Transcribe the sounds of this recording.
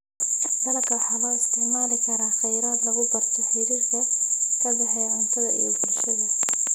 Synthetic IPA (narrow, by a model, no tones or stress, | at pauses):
d̪ɐlɐkʰɐħɑlɐɪst̪ʰɪʕmaːlɪkʰɐɾaːχɛjɾaːd̪lɐɣʊbɐrt̪ʰɔħɪjðɪt̪ʰɐkʰɐbɐħɛjʕɪnt̪ʰɐðɐʔḭjɔɡɪlʃɐðɐ